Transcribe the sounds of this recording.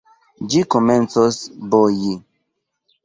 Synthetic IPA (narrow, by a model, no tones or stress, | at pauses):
d͡ʒikomɛ̃nsosboji